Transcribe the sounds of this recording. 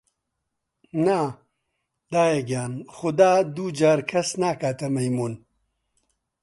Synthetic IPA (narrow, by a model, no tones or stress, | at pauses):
na | d̪aːjeɡjaːnxʊd̪aːd̪uːd͡ʑaːɾkʰɐsnaːkaːt̪ɐmɐjmun